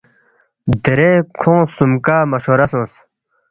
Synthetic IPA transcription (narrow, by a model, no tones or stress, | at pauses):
d̪eɾekʰõːsumkaːmɐɕoɾɐsõs